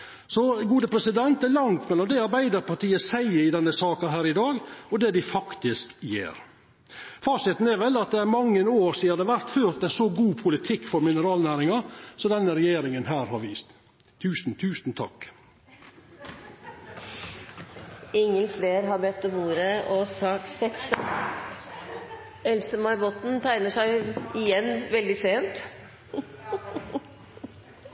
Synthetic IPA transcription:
sɔɡuːd̪əpʰɾɛsɪd̪ɛnt̪̚d̪ɛlɑŋt̪mɛlːɔmd̪ɛɑɾbæɪd̪əɾpɑʈiːəsæɪəɾɪd̪ɛnːəsɑːkɑɦæːɾɪd̪ɑːɡɔd̪ɛːd̪ɪfɑkt̪ɪskjḛːɾ | fɑːsɪt̪n̩æɾʋɛlːɑt̪̚d̪ɛæɾmɑŋːənoːɾsiːɑd̪ɛʋæɾt̪føːɾt̪̚d̪æsɔɡuːpʰʊlɪt̪ʰɪkːfɔɾmɪnəɾɑːlnæːɾɪŋɑsɔd̪ɛnːəɾɛjeːɾɪŋənɦæːɾhɑɾʋiːst̪ʰ | ʉːsn̩t̪ʰʉːsn̩t̪ʰɑ̰k | ɪŋːəlfleːɾɦɑɾbɛt̪ːɔmuːɾəɔsɑːksɛk̪st̪ | ɛlsəmɑɪbɔt̪n̩t̪ʰæɪnəʂæɪɪjɛnːʋɛld̪ɪseːnt̪

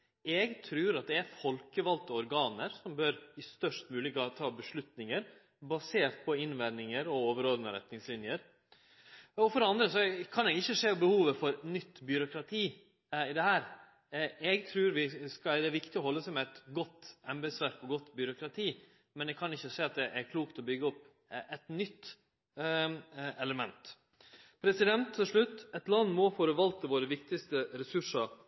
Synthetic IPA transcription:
ɛɡt̪ʰɾʉːɾɑt̪̚d̪ɛæɾfɔlkəʋɑlt̪ɔɔɾɡɑːnəɾsɔmbøɾɪst̪œʂʈmʉːlɪɡɑt̪ʰɑːbəʂlʉt̪nɪŋəɾ | bɑseːɾt̪̚pʰɔɪnʋæɾnɪŋəɾɔoːʋəɾoːd̪ənəɾɛ̰t̪nɪŋslɪnjəɾ | ɔfɔɾɑnd̪ɾəsɔkʰɑnɛɡɪçːəʂeːɔbəhuːʋəfɔɾnʏt̪ːbʏɾʊkɾɑt̪ʰiː | ɪd̪ɛhæːɾ | ɛɡt̪ʰɾʉːɾʋɪskɑd̪ɛʋɪkt̪ɪɔhɔlːəsɛɪmɛæt̪ɡɔt̪ːɛmbəsʋæɾkɔɡɔt̪ːbʏɾʊkʰɾɑt̪ʰiː | mɛnɛɡ̚kʰɑnɪçːəseːɑt̪̚d̪ɛʔæɾkʰluːkt̪ɔbʏɡəɔpː | ɛt̪nʏt̪ː | ɛləmɛnt̪ | pʰɾɛsɪd̪ɛnt̪ʰːɪlʂɭʉt̪ːɛt̪lɑnːmɔfoɾəʋɑlt̪əʋoːɾəʋɪkt̪ɪst̪əɾɛsʉʂɑɾ

